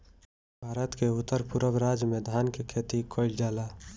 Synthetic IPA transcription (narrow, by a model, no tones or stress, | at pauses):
bʱaːɾət̪keʊt̪ːəɾpʊɾəbɾaːd͡ʒəmẽd̪ʱaːnkekʰeːt̪ikʰoɪld͡ʒaːlaː